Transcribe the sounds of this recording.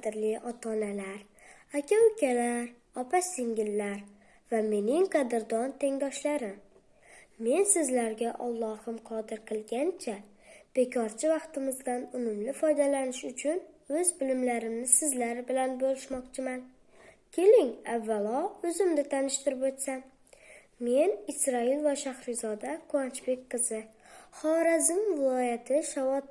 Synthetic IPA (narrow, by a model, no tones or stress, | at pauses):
d̪ɪɾlɪʔɒt̪ʰɒnalaɾ | akʲawkʲʰalaɾ | ɒpʰasɪŋɡʲɪlːaɾ | vame̞nɪŋqʰɑd̪ɪɾd̪ɒnt̪ʰe̞ŋd̪ɒʃlaɾɪ | me̞nsɪzlaɾɡʲaʔɒlˠːɒhɪmqʰɒd̪ɪɾqʰɨlˠɡʲant͡ʃʰa | b̥e̞kʲʰɒɾt͡ʃʰɪvɑqt̪ɪmɪzd̪anʊmʊmlɪfɒjd̪alanɪʃʊt͡ʃʰʊnɵzbɪlɪmlaɾɪmnɪsɪzlaɾɪbɪlanbolˠɪʃmɒqt͡ʃʰɪman | kʲʰe̞lɪŋavːalˠɒɵzɪmd̪ɪt̪ʰanɪʃt̪ɪɾɪpot̪san | me̞nɪsɾɒɪlvaʃahɾɪzɒd̪akʰʊant͡ʃbekʲqʰɨzɪ | χɒɾazɪmvɪlˠɒjat̪ʰɪʃavɒt̪